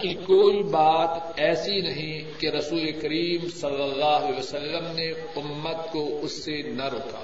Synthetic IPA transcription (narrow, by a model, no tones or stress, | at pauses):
kikoːibaːt̪ɛːsinɐɦĩ | keɾɐsuːlekɐɾiːmsɐlːəlːaːɦlɛosɐlːəmne | ʊmːət̪koʊsːenɐɾoːka̰ː